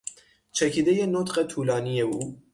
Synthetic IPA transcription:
t͡ʃʰɛkʰid̪ɛjenot̪qɛt̪ʰuːlɑːnijɛu

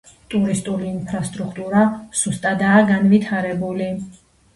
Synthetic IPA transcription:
t̪ʼuɾist̪ʼuliːnpʰɾast̪ʼɾukʰt̪ʼuɾasust̪ʼad̪aːɡanvit̪ʰaɾɛbuli

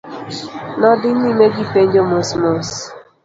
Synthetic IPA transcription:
nɔdɪnimeɡipend͡ʒomosmos

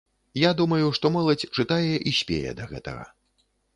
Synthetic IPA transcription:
jad̪umɐjuʂt̪ɔmɛlˠɐt͡sʲt͡ʂɨt̪ajɛʔiɕʲpʲḛjɛ̰d̪ɐɣɛt̪ɐ̰ɣɐ̰

